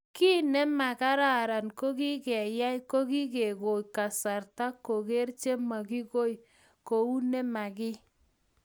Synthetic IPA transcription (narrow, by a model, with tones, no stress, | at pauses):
ki˦nɛ˦ma˨ka˦ɾa˦˨ɾa˨nko˦ki˦kɛ˨ja˦jko˦ki˦ke˨ko˨jka˨sa˨ɾta˦kːo˨ke˦ɾt͡ʃe˦ma˨ki˦ko˦j | ko˨u˦nɛ˦ma˨kɪ˦